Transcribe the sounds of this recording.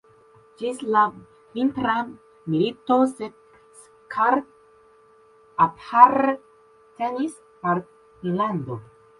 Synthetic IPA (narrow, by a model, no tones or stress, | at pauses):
d͡ʒisla | vintɾa | militosed̪̚ | s | kʰaɾ | athaɾ | tenis | paɾ | land̪o